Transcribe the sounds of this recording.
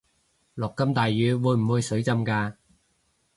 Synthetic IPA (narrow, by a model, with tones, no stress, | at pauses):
lɔː˨kːɐ˥mt̪aː˨jːyː˨˧wuː˨˧jm̩˨˩wuː˨˧jsɵ˨˥ɥt͡sɐ˥mkaː˧